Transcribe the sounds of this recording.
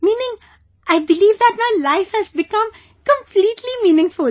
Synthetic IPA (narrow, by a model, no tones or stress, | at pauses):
mĩːnɪ̃ŋ | ʔaɪbɪliːvd̪æʈ̚maɪlaɪfhæzbɪkʌ̃m | kə̃mpliːʈʰlimĩːnɪ̃ŋfʊl